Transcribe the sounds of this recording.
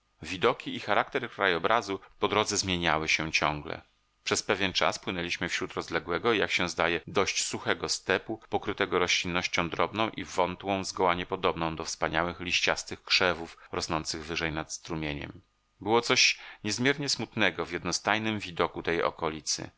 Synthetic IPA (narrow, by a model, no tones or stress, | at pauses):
vʲid̪ɔkʲiːxaɾakt̪ɛɾkɾajɔbɾazupɔd̪ɾɔd̪zɛzmʲjeɲawɘɕɛt͡ɕɔ̃ŋɡlɛ̰ | pʂɛspɛvʲjɛnt͡ʂa̰spwɘnɛlʲiɕmɘfɕɾut̪ɾɔzlɛɡwɛɡɔijakɕɛ̃zd̪ajɛd̪ɔɕt͡ɕsuxɛɡɔst̪ɛpupɔkɾɘt̪ɛɡɔɾɔɕlʲinːɔɕt͡ɕɔ̃w̃d̪ɾɔbnɔ̃w̃ʔivɔnt̪wɔ̃w̃zɡɔwaɲɛpɔd̪ɔbnɔ̃w̃d̪ɔfspaɲawɘxlʲiɕt͡ɕast̪ɘxkʂɛvufɾɔsnɔnt̪sɘɣvɘʐɛjnat̪st̪ɾumʲjeɲɛ̰m | bɘwɔt̪sɔɕɲɛzmʲjɛɾɲɛsmut̪nɛɡɔvjɛd̪nɔst̪ajnɘmvʲid̪ɔkut̪ɛjɔ̰kɔlʲit̪sɘ̰